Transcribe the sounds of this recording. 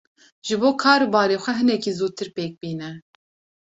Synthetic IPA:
ʒ̥ɨboːkʰɑːɾbɑːɾeːxʷɛɦɨnɛkiːzuːt̪ʰɨɾpeːk̚biːnɛ

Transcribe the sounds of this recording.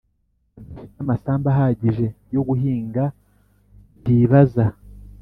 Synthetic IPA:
iinamasaːmbaɦaɟiʒe̞ | jo̞ɡuɦiːŋɡa | diːβaza

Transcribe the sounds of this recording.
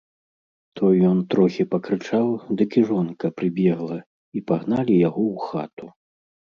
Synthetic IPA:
t̪ʰɔjːɔnt̪ɾɔxʲipɐkɾɨt͡ʂawd̪ɨkiʐɔnkɐpɾɨbʲɛɣlˠɐ | ipaɣnalʲijaɣɔwxa̰t̪u

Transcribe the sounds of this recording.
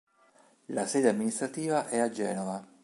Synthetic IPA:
lasɛːd̪eamːinist̪ɾat̪iːvaʔɛad͡ʒɛːnɔva

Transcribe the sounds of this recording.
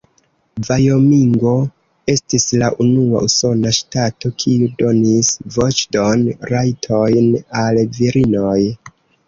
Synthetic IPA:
vajo̞miŋɡo̞ | e̞stislaʔunua̰ʔuso̞naʃtato̞kʰiudo̞nisvo̞t͡ʃdo̞nɾajtʰo̞jnalviɾino̞j

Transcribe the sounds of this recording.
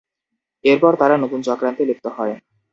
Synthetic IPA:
eɾpɔɾt̪aɾanot̪unt͡ɕɔkɾant̪elek̚t̪oɦɔe

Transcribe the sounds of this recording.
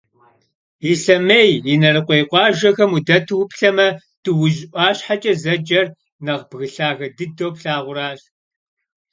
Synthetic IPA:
iɬɐmeːjinɐrɨqʷejqʷɑːʒɐxɐmudɐtʰɨwpɬɐmɐ | tʰɨwʊʒʔʷɑːɕħat͡ʃʼɐzɐd͡ʒɐr | nɐʁbɣɨɬaːɣɐdɨdowpɬaːʁʷʊɾaːɕ

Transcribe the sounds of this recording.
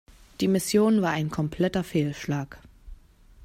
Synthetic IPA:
d̥iːmɪsjoːnvaːɐaɪnkʰɔmpʰl̥ɛtɐfeːlʃlaːk

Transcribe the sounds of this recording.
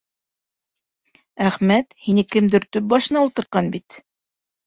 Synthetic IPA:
æχmæt̪hinɘkɘ̆md̪ɘɾt̪ɵp̚bɑʃɤ̆nɑulˠt̪ɤ̆ɾt̪̚qɑnbit̪

